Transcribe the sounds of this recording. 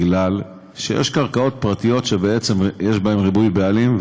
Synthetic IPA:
ɡlal | ʃejḛʃkaʁkao̞t̪̚pʁat̪ijo̞tʃebeet͡se̞mjeʃbae̞mʁibujbealim

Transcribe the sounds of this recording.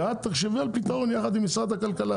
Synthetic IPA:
at̪̚tːeχʃevualpit̪aʁo̞njaχad̪imːisʁad̪hakalkala

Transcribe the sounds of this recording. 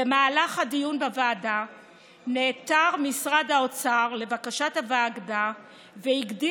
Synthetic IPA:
emaːlaχhadijunbavaːda | neːtaʁmisʁadhaot͡saʁle̞vakaʃathavaːɡda | veiɡdi

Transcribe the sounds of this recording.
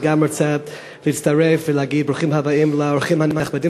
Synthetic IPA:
ɡaməɹt͡sɛ | lɪt͡staɾɛfvɪlˠaɡiːd̚bɾuχimhavaɪmlˠaɔɾχɪmhanmhaχbadi

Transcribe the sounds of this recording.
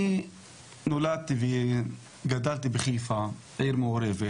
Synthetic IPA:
i | nolad̪̚t̪ive | ɡad̪alt̪ibeχifa | ejɾmeoɾeve

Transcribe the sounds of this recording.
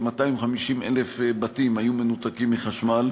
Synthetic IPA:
mat̪aimχamiʃimḛlefbatimhajume̞nut̪akimːiχaʃmal

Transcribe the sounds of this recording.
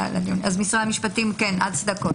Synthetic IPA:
la̰d̪iunʔazmisʁaamiʃpat̪imkenʔa̰d̪sd̪ɐko

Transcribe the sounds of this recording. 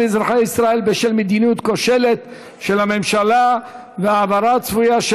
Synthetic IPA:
ezɾaχaisʁae̞lbeʃelmed̪inut̪koʃe̞le̞t̪ | ʃe̞lame̞mʃala | veaːvaɾat͡svujaʃ

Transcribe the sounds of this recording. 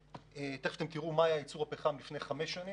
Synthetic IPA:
et̪eχʃt̪emkiʁumaːjait͡suʁhapeχamlifnejχameʃani

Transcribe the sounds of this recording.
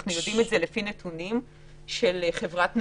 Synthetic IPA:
χnujodimetzelefinetʰunim | ʃelχe̞vʁatn

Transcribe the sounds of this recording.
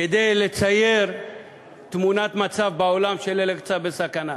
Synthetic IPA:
ed̪e̞jle̞t͡saje̞ʁ | t̪munat̪mat͡savbao̞lamʃelelekt͡sabesakana

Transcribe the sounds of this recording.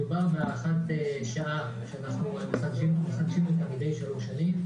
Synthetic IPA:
ubaʁbeaʁaχateʃaʔa | ʃeanaχnuemeχadʃimmeχadʃimet̪amid̪e̞jʃaluʁʃanim

